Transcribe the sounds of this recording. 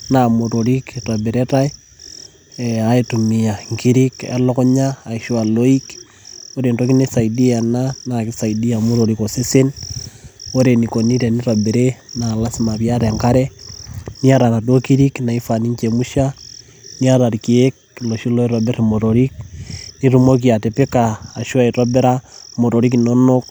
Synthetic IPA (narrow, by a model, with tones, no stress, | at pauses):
namoɾoɾikrabeɾetai | aitumiaŋkiɾikḛlo˦ko˦ɲaː˨iʃualoik | o˦ɾentoki˦nesa˨idi˦ananakisa˨idiamu˦ɾoɾikose˦se˦n | o˦ɾenikoniɾe˨niɾa˨beɾena˨la˦si˦ma˨βja˦ɾe˨ŋka˦ɾe˦ni˦aɾa˨na˨do˦ki˦ɾi˦kna˨i˦fa˨ni˦ɲt͡ʃe˨mu˦ʃa | ni˦a˦ɾa˨ɾiki˨ek̚ | lo˨ʃi˦lo˦i˦ɾobe˦ɾemo˨ɾoɾikni˦ɾumo˦k̬i˨a˨te˨pe˦kaː˨ʃu˦a˦i˨ɾo˦be˦ɾa˦mo˨ɾo˨ɾikino˦no˦k